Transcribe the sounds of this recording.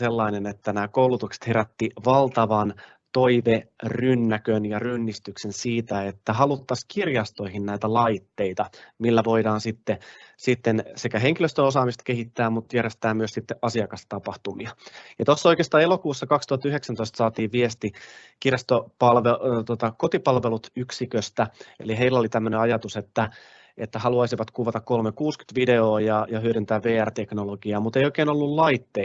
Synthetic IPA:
selːɑinenet̪ːænæːkoulut̪ukse̥t̪heɾæt̪ːiʋɑlt̪ɑʋɑn | t̪oiʋerynːækønjɑrynːist̪yksensiːt̪æet̪ːæhɑlut̪ːɑskirjɑst̪o̞ihinnæit̪ælɑit̪ːeit̪ɑmilːæʋo̞idɑːnsit̪ːesit̪ːensekæɦeŋkiløst̪ønosɑːmist̪ɑ̥keɦit̪ːæːmut̪jærjest̪æːmyøsit̪ːeʔɑsiɑkɑst̪ɑpɑht̪umiɑjɑt̪osːoikeːst̪ɑːelokuːsːɑkɑkst̪uhɑt̪ːyheksænt̪oist̪sɑːt̪iːʋʋiest̪i | kirjɑst̪opɑlʋet̪uot̪ɑkot̪ipɑlʋelut̪yksikøst̪æḛliɦeilːolit̪æmːøneɑjɑt̪uset̪ːæ | et̪ːæhɑluɑisiʋɑt̪kuʋɑt̪ɑkkolmekuːsky̥t̪ʋide̞oːjɑjɑhyøɾynt̪æːʋʋeːært̪eknoloɡ̥iɑːmut̪ejoikeːnolːullɑit̪ːe

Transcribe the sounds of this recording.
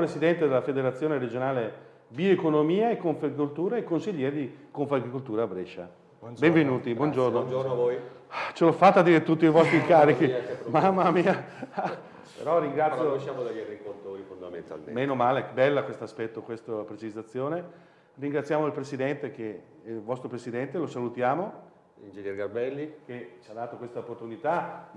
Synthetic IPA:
pɾesid̪ɛnt̪ed̪elafed̪eɾat̪sːjoːneɾed͡ʒonaːle | biekonomiːaekːoɱfaɡikolt̪uːɾaekːonsiʎːɛːɾed̪ikoɱfaɡɾikolt̪uːɾabɾɛʃa̰ | beɱvenuːt̪ibwɔnd͡ʒornod͡ʒonavoj | t͡ʃelɔfat̪ːad̪iːɾet̪ut̪ːiivɔst̪ɾikaːɾikimamːamiːa | pḛɾɔriŋɡɾat̪ːjoʃamod̪aʎːarikort̪oːɾifond̪amḛnt̪a̰lmḛmeːnomaːlebɛlːakwest̪oaspɛt̪ːokwest̪opɾet͡ʃizat̪sːjoːne | riŋɡɾat̪sːjaːmoilpɾesid̪ɛnt̪eke | lvɔst̪ɾopɾesid̪ɛnt̪elosalut̪jaːmo | ind͡ʒeɲjɛɾɡarbɛlːiket͡ʃad̪aːt̪okwest̪aopːort̪unit̪a

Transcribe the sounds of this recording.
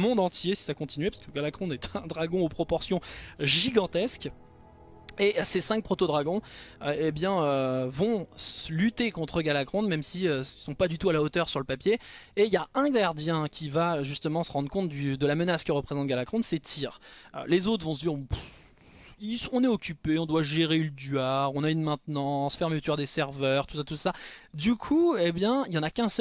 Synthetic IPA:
mɔ̃d̪ɑ̃t̪jesi̥sakɔ̃t̪inɥɛpḁʁskəɡalakχɔ̃nɛt̪ɛ̃d̪ʁaɡɔ̃opχɔpɔʁsjɔ̃ʒiɡɑ̃t̪ɛsk | esesɛ̃k̚pχɔt̪od̪ʁaɡɔ̃øebjɛ̃øvɔ̃slyt̪ekɔ̃t̪χəɡalakχɔ̃nmɛmsiøsɔ̃pad̪yt̪ualaot̪œʁsyʁləpapjeːljaɛ̃ɡaʁd̪jɛ̃kʲʰivaʒyst̪əmɑ̃səʁɑ̃d̪ʁəkɔ̃t̪̚d̪yd̪əlamənaskəʁəpχezɑ̃t̪̚ɡʲalakχɔ̃nd̪sɛt̪ʰiːʁø̰lezot̪χvɔ̃s̬əd̪iʁ̃p | isɔ̃nɛɔkʲypeɔ̃d̪waʒeʁelət̪ɥyaʁɔ̃naynmɛ̃t̪nɑ̃sfɛʁmət̪yaʁd̪esɛʁvœʁt̪u̥sat̪usad̪ykʰuebjɛ̃ijɑ̃nakʲɛ̃s

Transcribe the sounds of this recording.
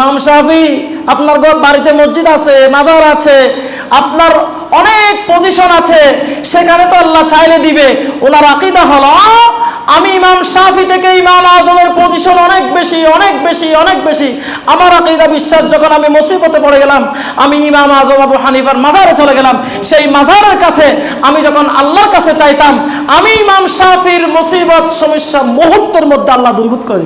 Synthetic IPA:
mamsafi | apnaɾɡɔbaɾit̪emozːid̪at͡ɕʰemad͡ʑʱaɾat͡ɕʰe | apnaɾ | ɔnek̚poziʃonat͡ɕʰeʃekʰanet̪oalːat͡ɕajled̪ibeonaɾaqid̪aɦɔlo | amiimamsafit̪ʰekeimamazomeɾpɾoziʃonɔnek̚beʃiɔnek̚beʃiɔnek̚beʃi | amaɾaqid̪abiʃːaʃd͡ʑɔkʰonamimosiːbot̪epɔɽeɡɛlam | amiimamazomabuɦanifaɾmazʱaɾet͡ɕoleɡɛlam | ʃejmazʱaɾeɾkat͡ɕʰe | amid͡ʑɔkʰona̰lːaɾkat͡ɕʰet͡ɕajt̪am | amiimamsafiɾmosibɔt̪ʃomiʃːamoɦud̪ːeɾmod̪ʱːealːad̪uɾbut̪̚koɾei

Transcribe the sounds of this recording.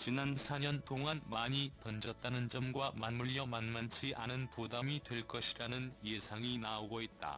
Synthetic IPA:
t͡ɕinansʰaɲʌnt͈oŋanmaɲitʌnd͡ʑʌt̚t͈anɯnd͡ʑʌmɡwamanmuʎːʌmanmant͡ɕʰiʔanɯnpodamitwe̞ɭk͈ʌɕʰiɾanɯnje̞sʰaŋinaoɡoit̚t͈a̰

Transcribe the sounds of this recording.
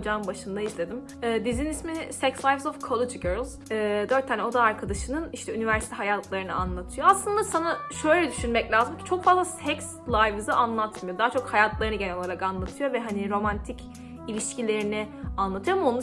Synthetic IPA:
d͡ʒambaʃɯnd̪ajizlʲe̞d̪im | ɛːd̪izinismisɛcslˠajvzofkʰolˠed͡ʒɡɛɾlˠz̥ːd̪øɾt̪ʰːaːnɛo̞d̪aːɾkʰad̪aʃɯnɯniʃt̪ɛynivæɾsi̥t̪ʰɛɦajat̪ʰlˠaɾɯnɯ̰anlˠat̪ʰɯjo̞aslˠɯnd̪asanaʃø̞jlʲɛd̪yʃynmɛclʲaːzɯmcʰi̥t͡ʃʰo̞kfazlˠasɛkslˠajvɯzɯʔanlˠat̪ʰmɯjo̞d̪aɦat͡ʃʰo̞khajat̪ʰlˠaɾɯnɯɟenɛoaɾakanlˠat̪ʰɯjo̞vɛɦaniɾo̞mant̪ʰic | ilʲiʃcilʲe̞ɾinɪanlˠat̪ɯjoamaonu

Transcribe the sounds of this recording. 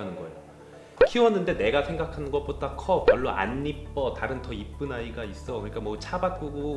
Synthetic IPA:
anɯnɡʌejo | kʰiwʌnːɯnde̞ne̞ɡasʰe̞ŋɡakʰanɯnɡʌp͈odakʰʌpjʌɭːoʔa̰nːip̚p͈ʌtaɾɯntʌip̚p͈ɯnaiɡais͈ʌokɯɲik͈amwʌt͡ɕʰabat̚k͈oɡo

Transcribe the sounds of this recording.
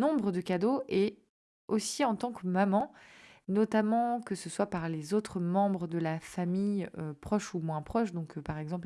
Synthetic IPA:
nɔ̃bʁəd̪əkʲad̪oʔɛ | osiɑ̃t̪ɑ̃kmamɑ̃nɔt̪amɑ̃kəsəswapaʁlezot̪χəmɑ̃bʁəd̪əlafamijøpχɔʃumwɛ̃pχɔʃd̪ɔ̃kpaʁɛɡzɑ̃pl

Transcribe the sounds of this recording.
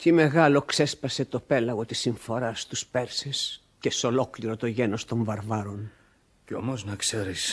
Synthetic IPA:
t̪ime̞ɣɐlo̞kse̞spɐse̞t̪o̞pe̞lɐɣo̞t̪isiɱfo̞ɾɐst̪uspeɾses | ceso̞lo̞kliɾo̞t̪o̞ʝeno̞st̪o̞ɱvɐɾvɐɾo̞n | ceomoznɐkseɾis

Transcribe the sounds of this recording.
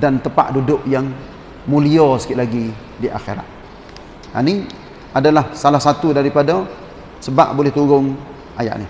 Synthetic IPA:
dant̪əpa̰ʔdudʊʔjaŋ | muliɔsə̥kɪʔlaɡi | diʔa̰xḛɾa̰ʔ̪̚ | a̰ni | adalahsalahsat̪udaɾipada | səba̰ʔbolɛht̪uɾʊŋ | aja̰ʔni

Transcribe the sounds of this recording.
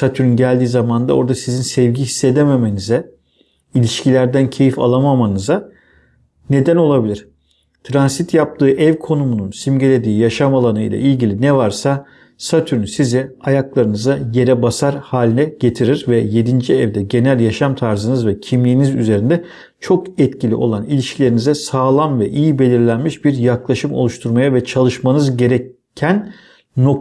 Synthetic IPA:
sat̪ʰyɾynɟælʲd̪iːzamand̪a̰o̞ɾd̪asizinsɛvɟiɦisːe̞d̪eme̞me̞nizɛ | ilʲiʃcilʲæɾd̪æncʰe̞jifa̰lˠamamanɯza | ne̞d̪æno̞lˠabilʲiɾ̥ | t̪ʰɾansit̪ʰjap̚t̪ʰɯːʔɛvkʰo̞numununsimɟe̞lʲe̞d̪iːjaʃamalˠanɯjlˠa̰ʔilʲɟilʲinɛvaɾsa | sat̪ʰyɾynsizɛajaklˠaɾɯnɯzaje̞ɾɛbasaɾhaːlʲinɛɟ̥e̞t̪ʰiɾiɾvɛje̞d̪ind͡ʒiɛvd̪ɛɟe̞nælʲjaʃamt̪ʰaɾzɯnɯzvɛcʰimlʲiːnizyze̞ɾind̪ɛ | t͡ʃʰo̞kɛt̪cilʲḭʔo̞̰lˠanilʲiʃcʰilʲeɾinizɛsaːlˠamvɛʔijibe̞lʲiɾlʲænmiʃbiɾjaklˠaʃɯmo̞̰lˠuʃt̪ʰuɾmajavɛt͡ʃʰalˠɯʃmanɯzɟe̞ɾɛ | ænː | o

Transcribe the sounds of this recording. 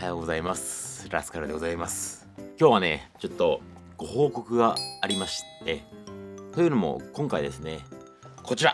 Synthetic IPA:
ajoːɡo̞zaimasɾa̰sɨ̥kaɾɯd̪e̞ɡo̞zaimasɨ̥ | kʲo̞ːβane̞t͡ɕo̞t̪ːo̞ | ɡ̥o̞ho̞ːko̞kɯ̟ɡaːɾʲimaɕi̥t̪e̞t̪o̞jɯ̟no̞mo̞̰kõ̞ŋkaid̪e̞sɨne̞ | kʰo̞t͡ɕiɾa

